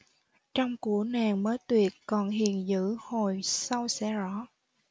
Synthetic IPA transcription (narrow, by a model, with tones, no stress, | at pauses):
t͡ɕɔ˧wŋ͡mku˧˩ənaː˨˩ŋməː˨˦jt̪wi˨˩ət̚kɔ˨˩nhḭ˧˨ənzɨ̰˧˥ho˨˩jsa˧wsɛ̰˧˥zɔ˧˥˦